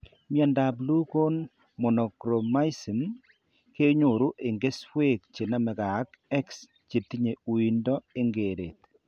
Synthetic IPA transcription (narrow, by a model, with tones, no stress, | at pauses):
mja˨nda˨blu˦ko˦n | mo˨nɔ˨kɾo˨ma˦i˦si˨m | ke˦ɲo˨ɾu˦ʔe˨ŋɡe˦sfwe˦˨k̚t͡ʃe˨na˦mɛ˨ka˨˦kɛ˦ks | t͡ʃe˨t̪i˦ɲe˨u˨i˨ndɔ˦e˦ŋɡe˨ɾḛ˨t